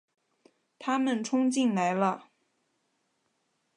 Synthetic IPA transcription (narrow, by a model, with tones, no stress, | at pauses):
t̪ʰa˥mə˨nʈ͡ʂʰʊ˥ŋt͡ɕi˥˩nla˧˥ɪlə˧